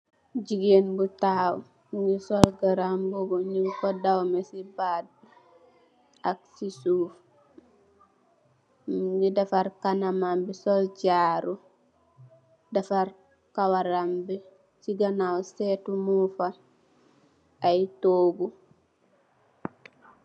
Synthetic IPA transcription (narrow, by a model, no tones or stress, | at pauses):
ɟiɡenbutaːw | ŋɡisɔlɡaɾambɔbɔɲiŋkɔdawmesibad̚bu | aksisuːf | ɡidafaɾkanamambisɔlɟaːɾu | dafaɾ | kawaɾambɛ | siɡanawsetumufa | ajtoːɡu